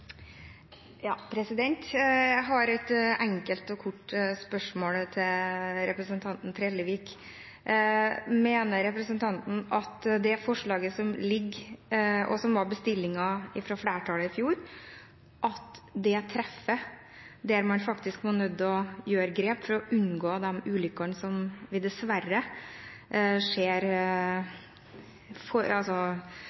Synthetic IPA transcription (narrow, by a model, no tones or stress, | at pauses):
jɑːpʰɾɛsɪd̪ɛnt̪jæɦɑɾɛt̪ɛŋkəlt̪ɔkʰʊʈːspœʂmoːlət̪ʰɪlɾɛpɾəsənt̪ʰɑnt̪n̩t̪ʰɾeːlːəʋiːk | meːnəɾɛpɾəsənt̪ʰɑnt̪n̩ɑt̪d̪ɛfɔʂɭɑːɡəsɔmlɪɡːʔɔ̰sɔmʋɑɾbəst̪ɪlːɪŋɑɪfɾɔflæːʈʰɑːləɪfjuːɾ | ʔɑt̪d̪ɛt̪ʰɾɛfːə | d̪ɛæɾmɑnfɑkt̪ɪskmonœd̪ːɔjøːɾəɡɾeːpfɔɾɔʔʉnɡoːd̪ɛmʉːlʏkːɑnsɔmʋɪd̪ɛsʋærə | ʂeːɾ | fɔɑsɔ